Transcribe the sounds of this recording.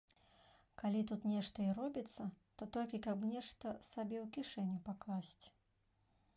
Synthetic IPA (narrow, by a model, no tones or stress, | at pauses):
kalʲit̪ut̪nʲɛʂt̪ɐirɔbʲit̪sːɐ | t̪ɔt̪ɔlʲkʲikɐbnʲɛʂt̪ɐsabʲɛwkʲiʂɛnʲːupaklˠasʲt͡sʲ